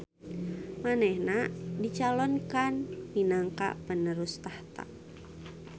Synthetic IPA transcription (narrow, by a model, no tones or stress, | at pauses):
manɛhnadit͡ʃalɔnkanminaŋka̰ʔpənəɾʊst̪aht̪a̰ʔ